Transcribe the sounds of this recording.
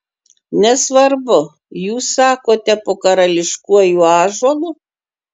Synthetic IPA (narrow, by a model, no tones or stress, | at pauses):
nʲɛsʋɐɾbʊ | juːsːɑːkoːt̪ʲɛpoːkɐɾɐlʲɪʃkuɔjuːɑːʒoɔlˠʊ